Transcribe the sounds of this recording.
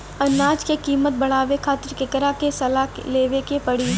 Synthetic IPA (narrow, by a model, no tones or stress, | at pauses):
ɐnaːd͡ʒkekiːmət̪̚bɐɽ̤aːʋekʰaːt̪ɪɾkɪkɾakesɐlaleːʋekepɐɽi